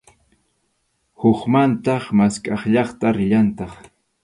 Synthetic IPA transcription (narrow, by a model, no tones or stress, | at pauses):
hʊχmant̪ɑχmaskʼɑχʎɑχt̪aɾɪʎant̪ɑχ